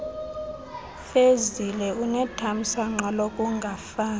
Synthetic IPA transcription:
fezilɛunɛtʰam̩saŋ͡ǁalokʼuŋɡʱafaː

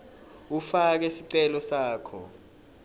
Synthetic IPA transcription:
ufak̬ɛsiǀɛlɔsaːkʰɔ̰

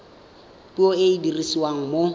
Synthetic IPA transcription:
pʼioeidirisiwaŋ̩mo

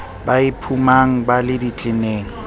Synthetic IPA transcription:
baɪpʰumaŋ̩balɪdit͡ɬʼɪneːŋ̩

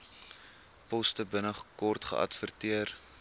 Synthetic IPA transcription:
pɔstəbənəχkɔrtχə̰ʔɐ̰tfərtiər

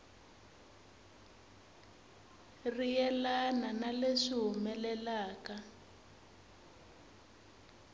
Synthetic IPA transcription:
rijɛlananaleʂiɦumɛlɛlaːka

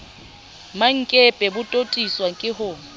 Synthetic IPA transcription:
maŋ̩kʼepʼɛbʊtʼotʼiswakʼɪɦʊ

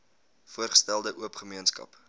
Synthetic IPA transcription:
fuərχə̥stælˠdəʔuəpχəmiənskɐ̰p

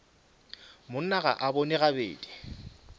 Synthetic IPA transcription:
mʊn̩naɣa̰ʔabonɪɣabḛːdʼi̥

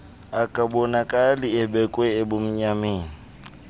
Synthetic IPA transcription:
akʼabɔnakʼaliɛbɛkʼwɛɪbʊm̩ɲameːŋi

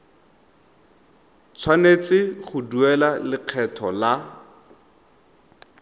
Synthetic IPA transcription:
t͡sʰwanet͡sɪχʊduɛlalɪq͡χʰɛtʰɔla

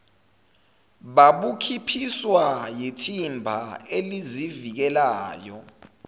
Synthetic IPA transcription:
ɓaɓukʰipʰiswajitʰimbʱaelizivik̬ɛlaːjɔ

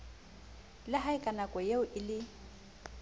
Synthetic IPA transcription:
lɪɦaɪkʼanakʼɔjeʊʔɪlɪ

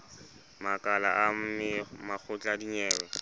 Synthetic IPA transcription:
makʼalaʔam̩mɪmak͡xʰʊt͡ɬʼadiɲɛːwɛ

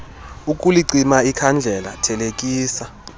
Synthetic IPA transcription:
ukʼuliǀimaikʰand͡ɮʱɛlatʰɛlekʼiːsa

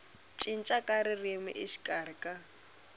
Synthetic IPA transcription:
t͡ʃʼin̩t͡ʃʼakʼaɾɪrimɪ̰ʔɪʃi̥kʼarɪkʼa

